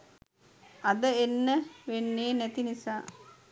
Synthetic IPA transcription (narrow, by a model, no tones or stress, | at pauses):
ad̪əenːəʋenːeːnɛt̪inisaː